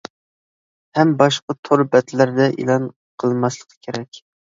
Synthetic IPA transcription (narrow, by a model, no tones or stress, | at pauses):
hɛmbɑʃqɑt̪ʰoɾbɛt̪læɾd̪ɛʔḭlˠɑn | qʰəlˠmɑslˠəqʰə̥kʲʰeɾɛkʲ